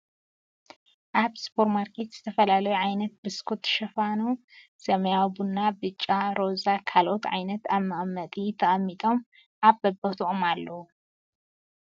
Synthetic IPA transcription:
ʔaβspʰo̞ɾmaɾkʰet̪z̥ɨt̪ʰɐfɐlalɐjuʕajnɐt̪̚bɨskʰut̪ʃɐfanu | sɐmɐjabunːabɨt͡ʃʼːaɾo̞zakʰalʔo̞t̪ʕa̰jnɐt̪amːaʔmːɐt̪ʼit̪ʰɐʔʼɐmːit̪ʼo̞m | ʔaβbɐbɐt̪ʰuʔomalːɐwu

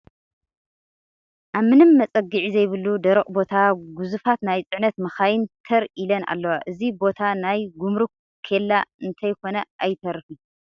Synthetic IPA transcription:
ʔaβmɨnɨmːɐt͡sʼɐɡɨʕizɐjβɨlːud̪ɐɾɨχʼbo̞t̪ʰaɡuzufat̪najt͡sʼɨʕnɐt̪mɐxajɪnt̪ʰɐɾilɐna̰lːɐwaʔɨzibo̞t̪ʰanajɡumɾu | kʰelːaɨnt̪ʰɐjkʰo̞nɐʔajt̪ʰɐɾɨfi

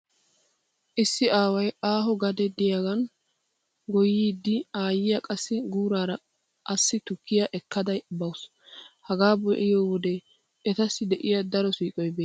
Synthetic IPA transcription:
ʔɪsːɪaːwɐjaːɦɔɡɐd̪ɛd̪ɪjaɡɐn | ɡɔjːiːd̪ːɪaːjɪjɐkʼɐsːɪɡuːɾaːɾɐ | ʔɐsːɪt̪ʊkːɪjaɐʔɛkːɐd̪ɐjbɐws | hɐɡaːbɔʔɪjoːwɔd̪ɛ | ɛt̪ɐsːɪd̪ɛʔɪjɐd̪ɐɾɔsiːkʼɔjbeː

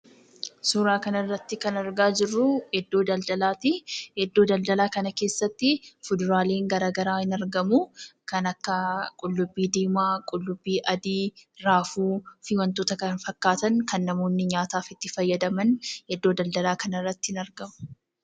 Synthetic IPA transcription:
suːɾaːkɐnɐrːɐt̪ːɪkɐnɐɾɡaːd͡ʒɪrːʊhɛd̪ːo̞ːd̪ɐld̪ɐlaːt̪ɪhɛd̪ːoːd̪ɐld̪ɐlaːkɐnɐke̞ːsːɐt̪ːɪfʊd̪ʊɾaːle̞ːŋɡɐɾaːɡɐɾaːhɪnɐɾɡɐmʊkɐnɐkːɐkʼʊlːʊbːiːd̪eːmaːkʼʊlːʊbːiːʔɐd̪iːɾaːfuːfɪwɐnt̪oːt̪ɐkɐnfɐkːaːt̪ɐnkɐnːɐmo̞ːnːɪɲaːt̪aːfɪt̪ːɪfɐjːɐd̪ɐmɐnhɛd̪ːoːd̪ɐld̪ɐlaːkɐnɐrːɐt̪ːɪ̥hɪnɐɾɡɐmʊ̥

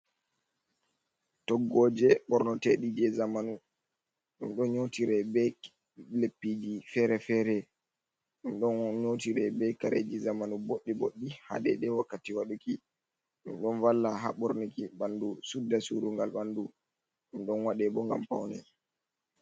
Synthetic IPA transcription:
tɔɡːɔd͡ʒɛɓɔɾnɔteɗid͡ʒɛzamanu | ɗunɗɔnɲotiɾɛbɛ | lepːid͡ʒifɛɾɛfɛɾɛ | ɗunɗɔnɲotiɾɛbɛkaɾed͡ʒizamanuboɗːiboɗːiha̰dɛ̰ɗɛwakːatiwaɗuki | ɗunɗɔnwalːaɦa̰ɓɔɾnikiɓandusudːasuɾuŋɡalɓandu | ɗunɗɔnwaɗɛbɔŋɡa̰mpawnɛ̰

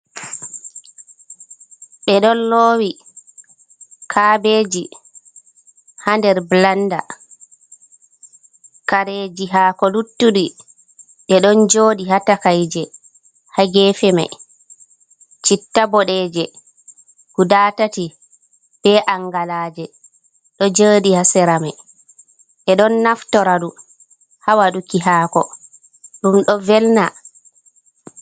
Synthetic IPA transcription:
ɓɛɗɔnloːwi | kʰaːbeːd͡ʒi | handɛɾblanda̰ | kaɾeːd͡ʒiɦaːkɔlutːuɗi | ɓɛɗɔnd͡ʒoːɗiɦatakajd͡ʒɛ | haɡɛfɛma̰j | t͡ʃitːabɔɗɛːd͡ʒɛ | ɡ̥udaːtati | b̥ɛʔaŋɡalaːd͡ʒɛ | ɗɔd͡ʒəːɗihasɛɾamaj | ʔɛɗɔnːaftɔɾaɗu | hawaɗukiɦaːkɔ | ɗumɗɔvɛlna

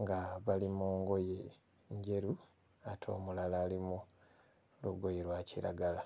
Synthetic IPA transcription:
ŋɡaβalimoːŋɡo̞je | ɲɟe̞ɾu | atʰo̞ːmulalaːlimu | luɡo̞jeɾwaːcḭɾa̰ɡala

